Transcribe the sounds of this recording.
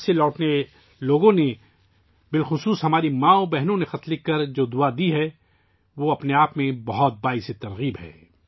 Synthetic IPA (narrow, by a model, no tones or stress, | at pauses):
selɔːʈne | loːɡõne | bɪlxʊsuːsɦɐmaːɾimãːobɛɦnõnexɐt̪lɪkːɐɾd͡ʒoːd̪ʊad̪iɦɛ | ʋoːɐpneaːpmẽbɐɦɔt̪̚baːiset̪ɐɾɣiːbɦɛ̰ː